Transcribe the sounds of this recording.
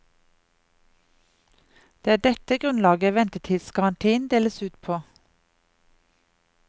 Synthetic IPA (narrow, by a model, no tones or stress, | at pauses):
d̪̥eːæːɖɛt̪əɡʁʉnlɑːɡəʋɛnt̪ət̪ʰɪlsɡɑʁɑnt̪ʰiːnd̪eːləsʉːt̪pʰoː